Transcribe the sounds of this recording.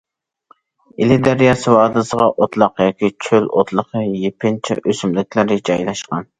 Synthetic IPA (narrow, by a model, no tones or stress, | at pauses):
ɪlɪd̪æɾjɑsɨwɑːd̪ɨsəʁɑʔot̪lˠɑqjɑːkʲit͡ʃʰølo̰t̪lˠəqəjepʰɪnt͡ʃʰɛ̰ʔøsymlɪkʲlɪɾɪd͡ʒɑjlˠɑʃqɑn